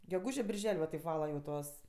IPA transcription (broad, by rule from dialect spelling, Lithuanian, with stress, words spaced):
ɡʲɛˈɡuːʒʲeː bʲɪrʲˈʒʲɛlʲ ʋɐ tʲɛɪp ˈʋɑːlˠɐ jɛʊ ˈtuɔs